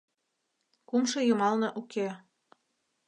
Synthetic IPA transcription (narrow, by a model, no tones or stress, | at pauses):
kumʃɤ̆jɤ̆mɑlnɤ̆ʔukʰe